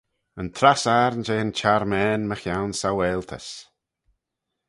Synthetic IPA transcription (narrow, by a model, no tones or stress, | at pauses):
ənt̪ʰɾasaːɾnd͡ʒeːənt͡ʃaɾmɛːnməxjawnsawɛːlt̪ʰə̰s